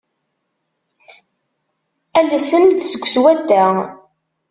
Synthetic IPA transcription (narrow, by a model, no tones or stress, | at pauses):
ælæsənθsəɡʷːswæd̪ːæ